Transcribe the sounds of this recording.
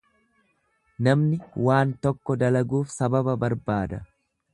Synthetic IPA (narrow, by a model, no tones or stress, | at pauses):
nɐmnɪwaːnt̪ɔkːɔd̪ɐlɐɡuːfsɐbɐbɐbɐɾbaːd̪ɐ